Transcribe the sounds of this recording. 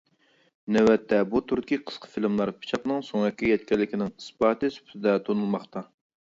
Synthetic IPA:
nɛwɛt̪ʰːɛbut̪ʰuɾkʲiqʰə̥sqʰə̥filmlˠɑɾpʰi̥t͡ʃʰɑqnɨŋsoŋɛkʲːijɛt̪kʲɛlːɪkʲɪnɪŋɨspɑːt̪ɨsy̥pʰt̪ɪd̪ɛt̪ʰonulˠmɑχt̪ɑ

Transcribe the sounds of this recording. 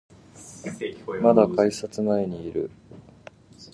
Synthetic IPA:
mad̪akaisat͡sɨnaeɲ̟iːɾɯ̟̰

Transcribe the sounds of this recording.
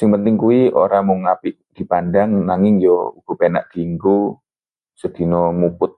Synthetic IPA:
sɪŋpənt̪ɪŋkuwio̰ɾamʊŋːapɪʔd̪̥i̤pandaŋnaŋɪŋjɔuɡ̥ɔ̤pena̰ʔd̪̥i̤ːŋku | səd̪̥i̤nɔmupʊt̪̚

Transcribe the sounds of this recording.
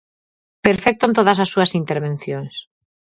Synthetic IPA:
peɾfɛk̚t̪ont̪oðɐsasːuɐsint̪eɾβẽn̟θjõŋs

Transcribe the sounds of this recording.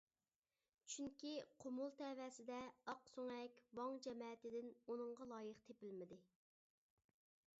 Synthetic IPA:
t͡ʃʰyŋkʲiqʰomulˠt̪ʰɛvɛsɪd̪ɛɑqsoŋɛkʲwɑŋd͡ʒɛmɛːt̪ɪd̪ɪnunɨɴʁɑlˠɑːjəχt̪ʰepɪlmɪd̪ɪ

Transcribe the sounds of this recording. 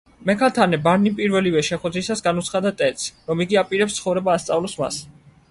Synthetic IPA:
mɛkʰat̪ʰanɛbaɾnipʼiɾvɛlivɛʃɛχwɛd̪ɾisasɡanut̪sʰχad̪at̪ʼɛt̪sɾɔmiɡiapʼiɾɛpst̪sʰχɔvɾɛbaːst̪sʼavlɔsma̰s

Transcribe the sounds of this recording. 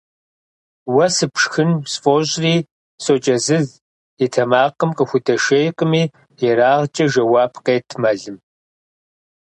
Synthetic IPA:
wɐsɨpʂxɨnsfoɕʼriː | soːt͡ʃʼɐzɨz | itʰɐmaːqəmqʼəxʷʊdɐʃejqʼəmiː | jɛɾaːʁt͡ʃʼɐʒɐwaːpʰqeːtʰmɐɮɨm

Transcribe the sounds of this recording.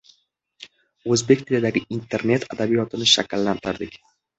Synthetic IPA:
ɵzbe̞kʲt̪ʰɪlɪd̪aɡʲɪʔint̪ʰe̞ɾne̞t̪ʰad̪abijɒt̪ʰɪnɪʃa̰kʲlːant̪ʰɪɾd̪ɪkʲ

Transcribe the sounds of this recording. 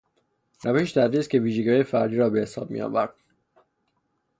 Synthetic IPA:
ɾæveʃʃd̪æɾd̪ist̪̚cʰe̞viːʒeɟɒːjefæɾd̪iːɾɒːbehesɒ̰ːb̥̚mḭjɒ̰ːvæɾd̪̥̚

